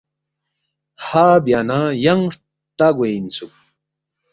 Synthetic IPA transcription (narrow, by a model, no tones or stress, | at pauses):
haːbjanajaŋɾ | t̪aɡʷejnt͡sʊk̚